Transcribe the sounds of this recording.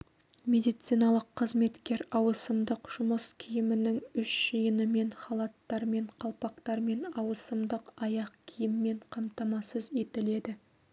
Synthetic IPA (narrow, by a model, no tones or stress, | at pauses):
me̞d̪ijt̪sijnɑlˠəqʰːəzme̞t̪kʲe̞ɾɑwəsəmd̪əqʒ̥ʊməskʲʰijɪmɪnɪŋʏʃʒ̥əjənəme̞ɴχɑlˠɑt̪ːɑɾme̞ɴqʰɑlˠpɑqt̪ɑɾme̞nɑwəsəmd̪əqɑjɑqkʲʰijɪmːe̞ɴqʰɑmt̪ɑmɑsəze̞t̪ɪle̞d̪ɪ